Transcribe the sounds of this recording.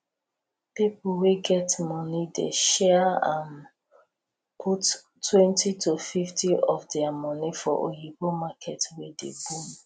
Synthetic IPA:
pipuweɡɛtmɔnidḛʃɛãn | pʰut | tːwɛ̃ntitufiftiɔfdɛamɔnifɔ̰ʔo̰jibomakʰɛtwedḛbum

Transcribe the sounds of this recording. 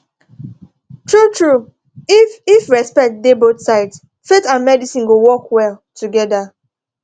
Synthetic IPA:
tʰɹutʰɹu | ififɹɛspɛk̚t̚debotsaɪts | fetãnmɛdisĩnɡowɔkwɛltʰuɡɛda

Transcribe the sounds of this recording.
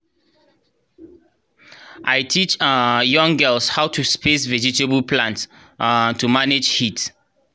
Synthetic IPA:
ʔajtʰit͡ʃjʌ̃ŋɡɛlshawtʰuspʰesvɛd͡ʒitebəlpʰlãnt | tumaned͡ʒhit

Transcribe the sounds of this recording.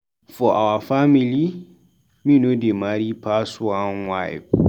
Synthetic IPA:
fɔʔawafamĩli | mĩnũdemaɾipʰasʊanwaɪ̰b̚

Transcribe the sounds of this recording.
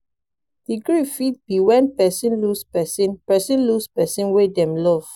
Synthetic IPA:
d̥iɡɹifit̚biwɛ̃npɛsĩnluspɛsĩnpɛsĩnluspɛsĩnwedɛ̃mlɔv̥

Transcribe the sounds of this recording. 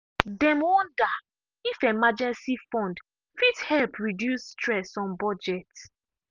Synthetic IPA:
dɛ̃mwɔ̃nda | ifɛmad͡ʒɛ̃nsifɔ̃nd | fithɛlpʰɹidjusːtɹɛsɔ̃nbɔd͡ʒɛt

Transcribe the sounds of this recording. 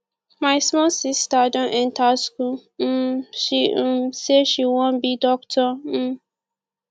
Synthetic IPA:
maɪsmɔlsistadɔ̃ʔɛ̃ntasku | ʃĩseʃiwɔ̃bidɔktʰɔm̩

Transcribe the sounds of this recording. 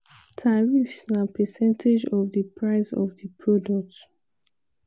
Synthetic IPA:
tʰaɹifsnapɛsɛ̃ntʰed͡ʒɔvdəpʰɹaɪsɔ̰vdəpʰɹɔdɔk̚t

